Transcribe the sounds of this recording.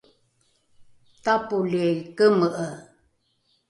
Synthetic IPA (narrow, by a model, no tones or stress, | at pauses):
tapuliejkəməʔə